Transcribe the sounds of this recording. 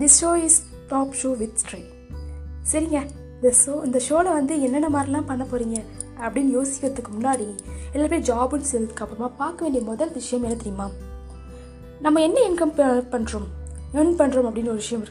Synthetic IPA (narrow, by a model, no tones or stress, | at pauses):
d̪ɪsʃoːɪs | ʈaːpʂoːʋɪt̪sʈɾe | sɐɾɪŋɡɐ | ɪnd̪ɐsoːɪnd̪ɐʂoːlɐʋɐnd̪ɯɛnːɐnːɐmaːd̪ɾɪlãːpɐɳːɐpoːɾiːŋɡɐ | ɐpːɐɽɪnːjoːsɪ̥kːɯɾɐt̪ːɯkːɯmʊnːaːɽɪŋɡɐɛlːaːpeːɾd͡ʒaːbɯnɯsɛlɐðɯkːɐpːɯɾɐmaːpaːɾkɐʋeːɳɖijɐmɔðɐlʋɪʂɐjɐ̃mɛnɐt̪ːɪɾɪjɐmaː | nɐmːɐɛnːɐɪnkɐmpɐɳːɾomenpɐɳːɾomɐpːɐɽɪnːɔɾɯʋɪʂɐjɐ̃mɪɾɯk